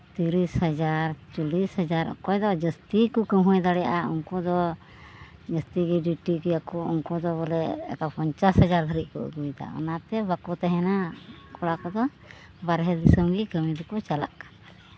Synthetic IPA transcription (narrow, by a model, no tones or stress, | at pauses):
t̪iɾishad͡ʒaɾt͡ʃulishad͡ʒaɾɔ̰kɔjd̪ɔd͡ʒəst̪ikɔkəɦɔ̃jd̪aɽɛjaʔaṵŋkɔd̪ɔ | d͡ʒəst̪iɡɛɖiʈiɡiakɔuŋkɔd̪ɔbɔlɛɛ̰kapɔɲt͡ʃashad͡ʒaɾd̪ʱaɾiʔ̚kɔə̰ɡujd̪a̰ɔ̰nat̪ɛbakɔt̪ɛɦɛnakɔɽakɔd̪ɔ | baɾɦɛd̪isəmɡikəmid̪ukɔt͡ʃalaʔkḁblɛ